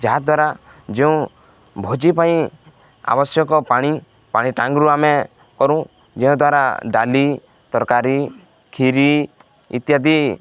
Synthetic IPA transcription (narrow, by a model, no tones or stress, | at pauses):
d͡ʒaɦad̪waɾa | d͡ʒeũ | bʱod͡ʒipaĩ | a̰bɔsjɔkɔpaɽ̃i | paɽ̃iʈãŋɡɾuame | kɔɾũ | d͡ʒeɔ̃d̪waɾa̰ɖali | t̪ɔɾkaɾi | kʰiɾi | ḭt̪jad̪i